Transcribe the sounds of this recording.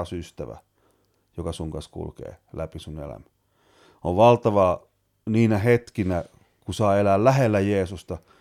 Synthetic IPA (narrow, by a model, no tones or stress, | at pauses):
syst̪æʋæ̰ | jokɑsuŋkɑskṵlkḛːlæpisunḛlæ̰mæ | oʋʋɑlt̪ɑʋɑ | niːnæhet̪kinæ | kusɑːelæːllæhelːæjeːsust̪ɑ